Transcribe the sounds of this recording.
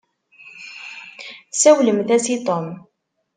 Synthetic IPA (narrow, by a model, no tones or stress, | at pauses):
sæwləmθæsit̪ˤom